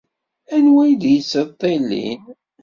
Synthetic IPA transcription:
ænwæjd̪jəsət̪ˤːelːḭn

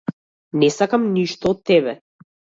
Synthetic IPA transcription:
nɛsakamniʃt̪ɔːt̪ːɛbɛ

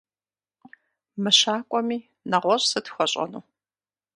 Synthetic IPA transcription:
mɨɕaːkʷʼɔmiː | nɐʁʷɔɕʼsɨtʰxʷɔɕʼɐ̰nuː

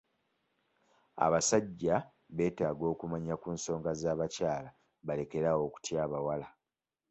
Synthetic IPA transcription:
a̰βasaɟːa | βe̞ːtaːɡo̞ːkumaɲakuːnso̞ːŋɡazaːβacaːla | βale̞ke̞ɾawo̞ku̥tjaːβawala

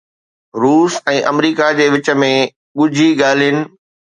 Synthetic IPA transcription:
ɾuːsɛ̃ːʔɐmɾiːkad͡ʑeːʋɪt͡ɕə̆mẽ | ɠʊd͡ʑʱiɠaːl̤ijənɪ̆

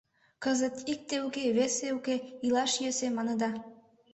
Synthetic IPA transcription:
kəzə̆t̪ik̚t̪eukeβeseukeilɑʃjøsemɑnə̆d̪ɑ

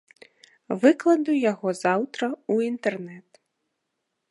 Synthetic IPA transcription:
vɨklˠɐd̪ujaɣɔzawt̪ɾɐuint̪ɛrnɛt̪

